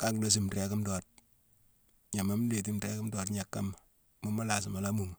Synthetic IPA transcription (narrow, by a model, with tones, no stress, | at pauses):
ka˦kdo˨˦s̬i˦mɾɛ˨kɪ˦mdɔ˨t̚ | ɲa˨ma˦m˦le˨t̬i˦mɾɛ˦kɪ˦mdɔ˨tɲa˨kːa˦m | mo˦ma˦la˨s̬ɪ˨ma˨la˦mu˨ŋ˨